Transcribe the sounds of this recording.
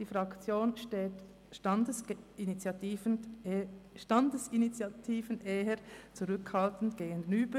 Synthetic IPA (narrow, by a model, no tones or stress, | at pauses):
d̥iːfʁɑkt͡sjoːnʃtet | dəinit͡sjɑtː | ʃtɑndəsint͡sɑtʰiːvənʔeːəɾt͡suʁʏkhɑltn̩tɡ̥eːɡənyːbə